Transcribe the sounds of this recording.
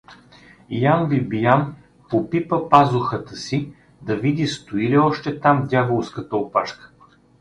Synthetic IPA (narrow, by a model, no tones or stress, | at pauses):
janvibijam | popipəpazʊxət̪əsi | d̪ɐvid̪ist̪ʊiliɔʃt̪ɛt̪amvd̪ʲjavolˠskət̪əopaʃkə̥